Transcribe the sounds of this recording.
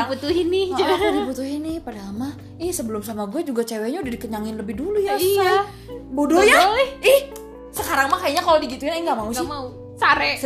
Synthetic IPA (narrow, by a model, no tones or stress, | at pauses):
abut̪uɦɪnɪadibut̪uɦɪnːɪhpadaːma | ɪhsəbəlʊmsamaɡuad͡ʒuɡat͡ʃewɛɲaudahdikəɲaŋɪnləbɪhduluja | bodojaɪɪh | səkaɾaŋmakajaɲakalodiɡit̪uɪnaŋɡaʔmausɪmau | saɾɛ